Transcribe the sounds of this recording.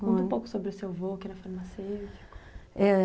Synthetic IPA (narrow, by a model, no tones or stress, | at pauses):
kõũpowkʊ̥sobɾɪʊsewvokɪɛɾɐfaɾmasewt͡ʃi̥kɛ